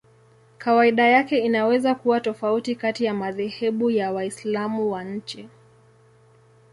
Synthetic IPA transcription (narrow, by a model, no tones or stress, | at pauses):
kawaiɗajakɛinawɛzakuwatɔfautikatijamaðɛhɛɓujawaislamuwaɲ̩t͡ʃɛ